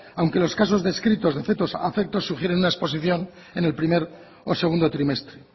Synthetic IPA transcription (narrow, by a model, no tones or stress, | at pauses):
awŋke̞lo̞skas̬o̞zðe̞skɾit̪o̞zðe̞θe̞t̪osa̰fek̚t̪o̞sːuxje̞ɾe̞nunaespo̞s̬iθjo̞n | e̞ne̞lpɾime̞ɾ | ose̞ɣ̞und̪o̞t̪ɾime̞st̪ɾe